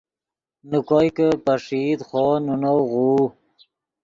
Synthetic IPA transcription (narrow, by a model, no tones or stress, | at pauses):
nukojkəpaʂid̪χonunowɣuː